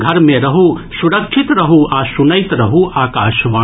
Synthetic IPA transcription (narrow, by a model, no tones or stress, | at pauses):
ɡʱɐɾmẽɾəɦusuɾəkt͡ʃʰit̪ɾəɦuasunəjt̪ɾəɦuʔaːkaːʃʋãː